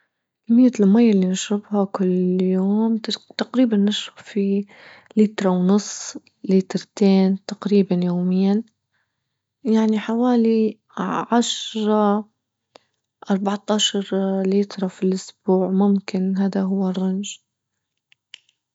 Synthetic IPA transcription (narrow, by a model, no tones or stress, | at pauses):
kamːɪjːalmajːalːinɪʃɾɪbhakʊlːjoːmt̪aqɾiːbanːɪʃɾɪbfi | liːt̪ɾˤɑwnʊsˤː | liːt̪ɾˤt̪eːnt̪aqɾiːbanjoːmɪjːan | jaʕniħawaːli | ʕaʃɾˤɑ | ʔɑɾˤbɑʕt̪ˤɑːʃɑɾˤliːt̪ɾˤɑfilʔʊsb̥uːʕmʊmkɪnɦaːd̪aɦʊwːarˤːʊnʒ